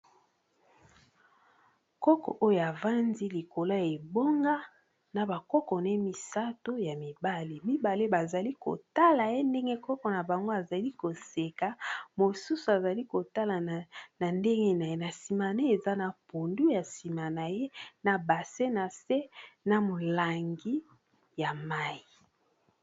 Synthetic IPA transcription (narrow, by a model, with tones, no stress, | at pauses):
kɔ˦kɔ̰˨ʔo˦jo˨a˨va˦ndi˦li˨ko˨la˦je˨bo˦ŋɡa˦ | na˨ba˨kɔ˦kɔ˨ne˦mi˨sa˦to˦ja˨mi˨ba˦li˨mi˦ba˨le˦ba˨za˨li˦ko̰˨ta˦la˨je˦nde˦ŋɡe˦kɔ˦kɔ˨na˨ba˨ŋɡo˦a˨za˨li˦ko˨se˨ka˨˦mo˨su˦su˨a˨za˨li˦ko˨ta˦la˨na˨nde˦ŋɡe˦na˨je˦na˨si˨ma˨ne˦e˨za˦na˨po˨ndu˦ja˨si˨ma˨na˨je˦na˨ba˨se˦na˨se˦na˨mo˨la˨ŋɡi˦ | ja˨ma˦i˨